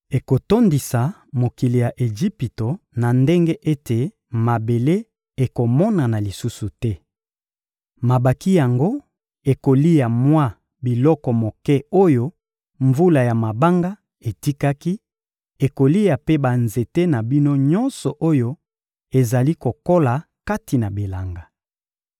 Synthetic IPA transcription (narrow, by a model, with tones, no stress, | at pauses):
e˨ko˨to˦ndi˨sa˨ | mo˨ki˨li˨ja˨ʔe˨ʒi˦pi˨to˨na˨nde˦ŋɡe˦ʔe˦te˨ | ma˨be˨le˦ | e˨ko˨mɔ˦na˨na˨li˨su˦su˨tɛ˦ | ma˨ba˨ki˦ja˨ŋɡo˦ | e˨ko˨li˦ja˨mwa˦ | bi˨lɔ˦kɔ˨mo˨kɛ˦o˦jo˦ | ɱvu˦la˨ja˨ma˨ba˦ŋɡa˦ | e˨ti˦ka˦ki˦ | e˨ko˨li˦ja˨pe˦ba˨nze˨te˦na˨bi˦no˦ɲɔ˦nsɔ˨ʔo˦jo˦ | e˨za˨li˦ko˨ko˦la˨ | ka˦ti˨na˨bi˨la˨ŋɡa˨